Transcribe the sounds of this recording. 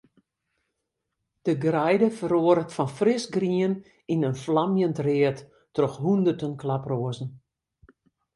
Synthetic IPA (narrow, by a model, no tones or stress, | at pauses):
d̥əɡrɛjdəfəɾoəɾətfɔnfrɪsɡriən | inənflamjəntrɪətː | rɔxɦundərtənklaproəzn̩